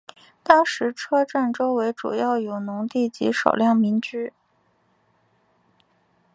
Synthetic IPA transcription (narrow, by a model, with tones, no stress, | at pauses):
t̪ɑ˥ŋʂɻ̩˧˥ʈ͡ʂʰɤ˥ʈ͡ʂa˥˩nʈ͡ʂo˥ʊwe˧˥ɪʈ͡ʂṵ˨˩jɑ˥˩ʊjo˨˩ʊnʊ˧˥ŋt̪i˥˩t͡ɕḭ˧˥ʂɑ̰˨˩ʊljɑ˥˩ŋmi˧˥nt͡ɕy˥